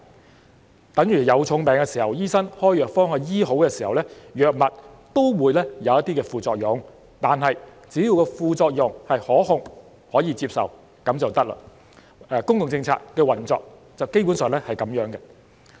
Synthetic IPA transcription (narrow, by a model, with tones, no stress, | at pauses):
t̪ɐ˨˥ŋjyː˨˩jɐ˨˧wt͡ʃʰʊ˨˧˥ŋpɛː˨˧ŋkɛː˧siː˨˩hɐ˨wjiː˥sɐ˥ŋhɔː˥jœː˨k̚fɔː˥ŋɦœː˨˧jiː˥ɦo˨˥wkɛː˧siː˨˩hɐ˨wlɛ˥jœː˨k̚mɐ˨t̚t̪o˥wwuː˨˧jlɛː˥jɐ˨˧wɐ˥t̪iː˥kɛː˧fuː˨t͡sɔː˧k̚jʊ˨˧ŋ | t̪aː˨nɦɐ˨j | t͡siː˨˥jiː˧wkɔː˧fuː˨˧t͡sɔː˧k̚jʊ˨ŋhɐ˨jhɔː˨˥hʊ˨˧ŋ | hɔː˨˥jiː˧t͡siː˧p̚sɐ̰˨˩w | kɐ˨˥mt͡sɐ˨wt̪ɐ˥k̚la̰˧˨ | ɛː˧kʊ˥ŋkʊ˨ŋt͡sɪ˧ŋt͡sʰa̰ː˧kkːɛː˧wɐ˨˩nt͡sɔ̰ː˨k̚ | t͡sɐ˨wke˥jp̬u˨˥nsœː˨ŋlɛ˥hɐ˨jkɐ˨˦mjœː˨˥ŋɡɛ˧